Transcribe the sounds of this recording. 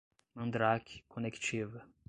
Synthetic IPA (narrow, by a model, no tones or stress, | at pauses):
ɐ̃nd̪ɾakʲʰkʰonekt͡ʃivɐ